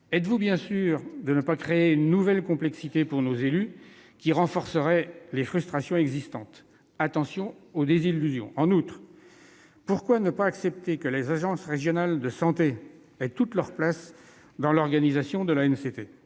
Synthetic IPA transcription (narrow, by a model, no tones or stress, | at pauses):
ɛt̪vubjɛ̃syʁd̪ənəpakχeeynnːuvɛlkɔ̃plɛksit̪epuʁnozelykʲiʁɑ̃fɔʁsəʁɛlefχyst̪χasjɔ̃ɛɡzist̪ɑ̃t̪ | at̪ɑ̃sjɔ̃od̪ezilyzjɔ̰̃ɑ̃nut̪χ | puʁkwanəpaːksɛp̚t̪ekəlezaʒɑ̃sʁeʒjɔnald̪əsɑ̃t̪e | ɛt̪ut̪lœʁplas | d̪ɑ̃lɔʁɡanizasjɔ̃d̪əlaɛnset̪e